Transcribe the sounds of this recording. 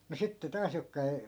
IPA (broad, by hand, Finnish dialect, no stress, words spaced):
mu sitːe tɑːs jokːɑ ei